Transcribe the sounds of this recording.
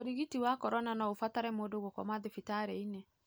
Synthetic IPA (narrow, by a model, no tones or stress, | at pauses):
oɾiɣitiwakɔɾɔnanaofataɾɛmoːdoɣokɔ̰maðefitaɾeine